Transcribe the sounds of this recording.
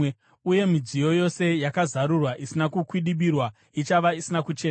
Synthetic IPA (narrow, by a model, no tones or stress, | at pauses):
uje̞mid͡zijo̞jo̞se̞jakazaɾurwaʔisinakukwiɗiɓirwa | it͡ʃaʋaisinakut͡ʃeːn